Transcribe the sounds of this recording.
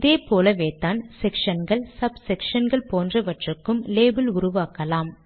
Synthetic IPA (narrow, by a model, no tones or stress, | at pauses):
ɐðeːpoːlɐʋeːt̪ːaːnsɛkʂɐnɡɐɭsɐbsɛkʂɐnɡɐɭpoːndrɐʋɐʈrɯkːɯmleːbɪlʊɾʊʋaːkːɐlaːm